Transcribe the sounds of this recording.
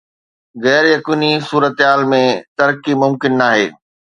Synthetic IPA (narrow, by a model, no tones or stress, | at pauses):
ɣɛːɾjɐkiːnisuːɾət̪ɦaːlmẽt̪ɐɾkimʊmkɪnːaːɦeː